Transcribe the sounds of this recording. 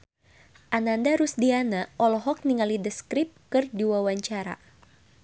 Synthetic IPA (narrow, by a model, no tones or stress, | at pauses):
ʔanandaɾusdianaʔɔlɔɦɔk̚niŋalidəskɾip̚kɨrdiwawaɲt͡ʃaɾa̰